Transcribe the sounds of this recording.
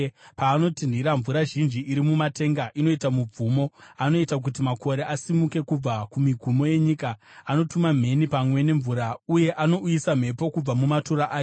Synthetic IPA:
paːno̞tindiɾaɱvuɾaʒind͡ʒiːɾimumate̞ŋɡaʔino̞itamub͡vumo̞ano̞itak̬utimakʰo̞ɾe̞ʔasimuke̞kub͡vakumiɡʱumo̞je̞ɲikaːno̞tumam̤e̞nipamwe̞ne̞ɱvuɾauje̞ʔano̞ujisam̤e̞po̞kub͡vamumatuɾaʔaːjo

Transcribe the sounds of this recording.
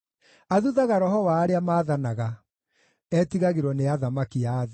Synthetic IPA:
aðuðaɣaɾɔɦɔwaːɾeamaːðanaɣa | ɛtiɣaɣeɾwɔneaðamakiað

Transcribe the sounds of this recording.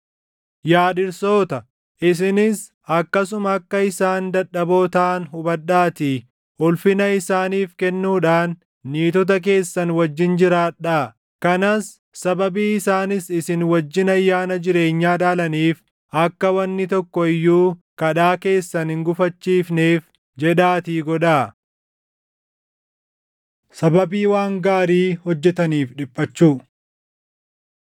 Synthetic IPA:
jaːᶑɪɾso̞ːt̪ɐ | ʔɪs̬ɪnɪs | ɐkːɐs̬ʊmɐːkːɐɪsaːnd̪ɐᶑɐbo̞ːt̪aːnɦʊbɐɗaːt̪i | ʔʊlfɪnɐɪsaːniːfkɛnːuːᶑaːnː | iːt̪ɔt̪̬ɐk̬e̞ːsːɐnwɐd͡ʒːɪnd͡ʒɪɾaːᶑaː | kɐnɐsː | ɐbɐbiːɪsaːnɪsɪsɪnwɐd͡ʒːɪnɐjːaːnɐd͡ʒɪɾe̞ːɲːaːᶑaːlɐniːf | ɐkːɐwɐnːɪt̪ɔkːɔɪjːuːkɐᶑaːke̞ːsːɐnhɪŋɡʊfɐt͡ʃːiːfneːf | d͡ʒɛᶑaːt̪iːɡɔᶑaː | sɐbɐbiːwaːŋɡaːɾiːhɔd͡ʒːɛt̪ɐniːfᶑɪpʼːɐt͡ʃːuː

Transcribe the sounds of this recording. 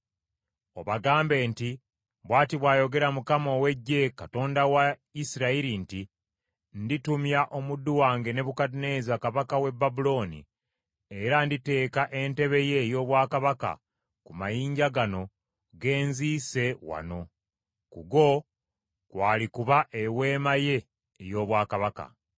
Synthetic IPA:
o̞βaɡaːmbe̞ːnti | βwaːtiβwaːjo̞ɡe̞ɾamukamo̞we̞ɟːe̞kato̞ːndawaisiɾaiɾinti | nditumjaʔo̞mudːuwaːŋɡe̞ne̞βukatune̞ːzakaβakawe̞bːabulo̞ːnḭ | eɾandite̞ːkaʔe̞nte̞βe̞je̞jo̞ːβwaːkaβaka̰ | kumajiːɲɟaɡano̞ | ɡe̞ːnziːse̞wa̰no̞ | kṵɡo̞ | kwaːlikuβaʔewe̞ːmaje̞ː | jo̞ːβwaːkaβaka̰

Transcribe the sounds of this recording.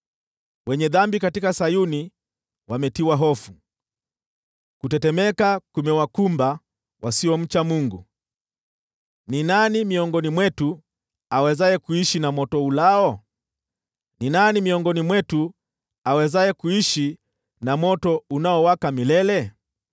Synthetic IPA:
wɛɲɛðambikatikasajuni | wamɛtiwaɦɔfu | kutɛtɛmɛkakumɛwakumba | wʔasiwɔm̩t͡ʃamuŋɡu | ninanimiɔŋɡɔnimwɛtu | awɛzaɛkuiʃinamɔtɔulaɔ | ninanimiɔŋɡɔnimwɛtu | awɛzajɛkuiʃi | namɔtɔunaɔwakamilɛlɛ

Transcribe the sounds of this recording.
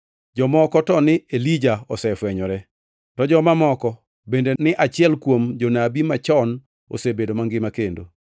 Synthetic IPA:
d͡ʒɔmɔkɔtɔnɪelid͡ʒaɔsɛfwɛɲɔɾɛ | tɔd͡ʒɔmamɔkɔ | bendenɪʔat͡ʃɪɛlkwomd͡ʒonabimat͡ʃɔn | o̰sebedomaŋɡɪmakendo̰

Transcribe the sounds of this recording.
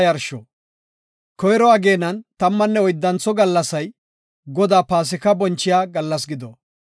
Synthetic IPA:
jɐɾʃɔ̰ | kɔjɾɔɐɡe̞ːnɐnt̪ɐmːɐnːɛɔjd̪ːɐnt͡sɔɡɐlːɐsɐj | ɡɔd̪aːpaːs̬ɪkɐbɔnt͡ʃːɪjaːɡɐlːɐs̬ɡɪd̪ɔ

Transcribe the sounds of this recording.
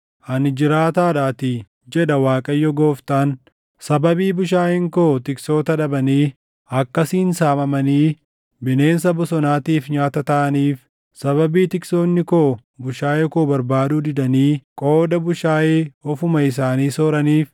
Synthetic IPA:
ʔɐnd͡ʒɪɾaːt̪aːᶑaːt̪ɪ | d͡ʒɛᶑɐwaːkʼɐjːɔɡo̞ːft̪aːn | sɐbɐbiːbʊʃaːhɪŋkoːt̪ɪkso̞ːt̪ɐᶑɐbɐniː | ɐkːɐsiːnsaːmɐmɐniː | bɪne̞ːnsɐbʊsɔnaːt̪iːfɲaːt̪ɐt̪ɐʔɐniːf | sɐβɐbiːt̪ɪksoːnːɪkoːbʊʃaːjeːkoːbɐɾbaːd̪uːd̪ɪd̪ɐniːkʼo̞ːd̪ɐbʊʃaːʔeːɔfʊmɐɪs̬aːniːsoːɾɐniːf

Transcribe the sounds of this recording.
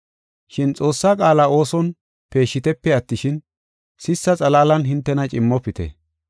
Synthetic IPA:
ʃɪnt͡sʼo̞ːsːaːkʼaːlaːo̞ːsɔn | pe̞ːʃːɪt̪ɛpːɛɐt̪ːɪʃɪn | sɪsːɐt͡sʼɐlaːlɐnɦɪnt̪ːɛnɐt͡ʃʼɪmːɔpːɪt̪ɛ̰

